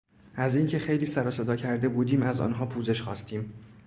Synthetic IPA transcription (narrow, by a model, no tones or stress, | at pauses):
ʔæziːŋcʰe̞xe̞jliːsæɾɒːse̞d̪ɒːcʰæɾd̪e̞buːd̪iːmæzɒ̰ːnɦɒːpʰuːze̞ʃxɒːst̪ʰiːm